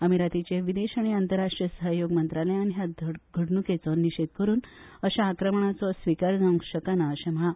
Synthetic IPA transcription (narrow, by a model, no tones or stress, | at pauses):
əmiɾat̪it͡ɕeʋid̪eɕaɽ̃iant̪əɾaʂʈɾijəsəɦəjoɡmənt̪ɾaleañiɦjaɡʱəɽnuket͡sɔniɕed̪kəɾuːnəɕaːkɾəmɳat͡sɔsʋikaɾd͡zaũɕəkanaəɕem̤əɭa